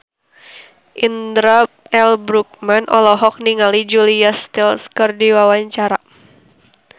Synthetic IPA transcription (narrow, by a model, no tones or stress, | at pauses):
ʔindɾa | ɛlbɾuk̚manʔɔlɔɦɔk̚niŋalid͡ʒuliast̪ilskərdiwawaɲt͡ʃaɾa